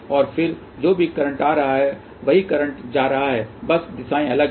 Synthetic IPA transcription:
ɔːɾfʰɪɾ | d͡ʒoːbʱikɐɾə̃ɳʈaːɾɐɦaɦɛ | ʋɐɦikɐɾə̃ɳʈd͡ʒaːɾɐɦaɦɛːbɐsd̪ɪsaːẽɐləɡ

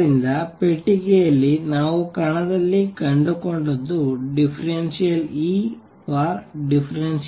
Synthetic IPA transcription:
ɾind̪ɐpeʈːiɡejɐlːinaːʋukɐɳɐd̪ɐlːikɐɳɖukoɳɖod̪ːuɖipʰɐɾensijɐliː | pʰaːɾɖipʰɐɾens

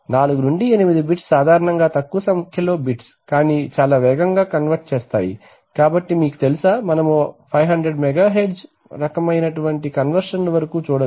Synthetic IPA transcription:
naːluɡunuɳɖienimid̪ibiʈssaːd̪ʱaːɾɐɳɐŋɡaːt̪ɐkːuɐsɐmkʰjɐlo̞ːbiʈs | kaːniːt͡ʃaːlaːʋɛːɡɐŋɡaːkɐnʋɐɾʈt͡ʃɛːst̪a̰ːjḭ | kaːbɐʈːimiːku̥t̪elusaːmɐnɐmupʰɐjɦɐɳɖɾeɖmɛɡaːɦeɖz | ɾɐkɐmɐjnɐʈuʋɐɳʈikɐnʋɐɾʂɐnlɐʋɐɾɐkuːt͡ʃuːɽɐ

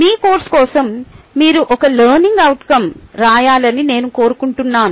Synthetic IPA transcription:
miːkoːɾʈskɔːsɐmːiːɾuʔɔkɐlɐːɾniŋɡɐwʈkɐmɾaːjaːlɐnine̞ːnuko̞ːɾukuɳʈunːaːnu

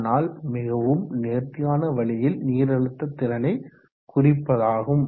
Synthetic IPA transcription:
naːlmɪɣɐʋɯmneːɾt̪ɪjaːnɐʋɐɭɪjɪlniːɾɐɻɯt̪ːɐt̪ːɪɾɐnɐɪ | kʊrɪpːɐðaːɣɯm

